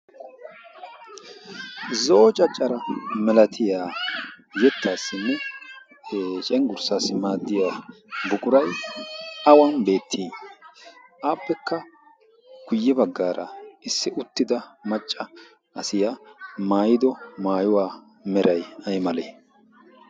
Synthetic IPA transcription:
zo̞ːt͡ʃʼɐt͡ʃʼːɐɾɐmɛlɐt̪ʰɪjaːjɛt̪ːaːsːɪnːɛ | t͡ʃʼɛŋɡʊɾsaːsɪmaːd̪ːɪjaː | bʊkʼʊɾɐj | ɐwɐnbe̞ːt̪ʰːiː | ʔaːpːɛkːɐ | ɡ̥ʊjːɛbɐɡːaːɾʔɐ̰ɪsːɪʊt̪ːɪd̪ɐmɐt͡ʃʼːɐ | ʔɐsɪjamaːjɪd̪ɔmaːjʊwaː | mɛɾɐjɐjmɐleː

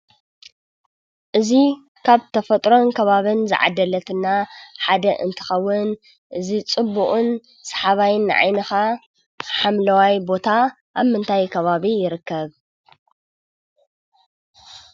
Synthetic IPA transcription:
ʔɨzi | kʰaβt̪ʰɐfɐt̪ʼɾo̞nkʰɐβaβɨnzɨ̰ʕa̰d̪ɐlɐt̪ʰɨnːaħad̪ɐʔɨ̰nt̪ʰɨ̥xɐwːʊn | ʔɨzit͡sʼɨbːuχʼɨn | sɐ̥ħaβajnːɨʕa̰jnɨxa | ħamlɐwajbo̞t̪ʰa | ʔaβmɨnt̪ʰajkʰɐβaβijɪɾɨkːɐβ

